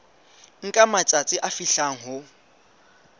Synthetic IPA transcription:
ŋ̩kʼamat͡sʼat͡sʼɪʔafiɬaŋ̩ɦʊ

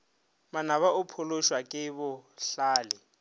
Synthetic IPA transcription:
manaβaʊpʰʊlʊʃwakʼɪbʊɬaːlɪ

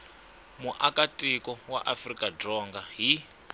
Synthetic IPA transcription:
muʔakʼatʼikɔwa̰ʔafrikʼadɔŋɡaɦi

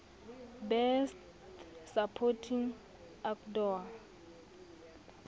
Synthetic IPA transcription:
bɛst | sapʰɔtʰiŋ | akdɔa

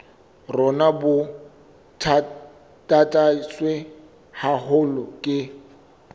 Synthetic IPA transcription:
rɔnabʊ | tʰ | tʼatʼaswe | hahʊlɔkʼɪ

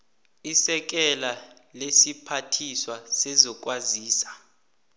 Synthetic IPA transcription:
isɛk̬ʼɛla | lesipʰatʰiswasɛzɔk̬ʼwaziːsḁ

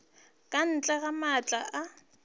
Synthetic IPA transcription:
kʼan̩t͡ɬʼaɣamat͡ɬʼaʔa

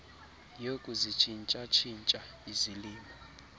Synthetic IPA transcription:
jokʼuzit͡ʃʰint͡ʃʼat͡ʃʰint͡ʃʼa | iziliːmɔ

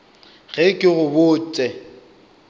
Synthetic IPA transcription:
ɣɛkʼɪɣʊbʊːt͡sʼɛ

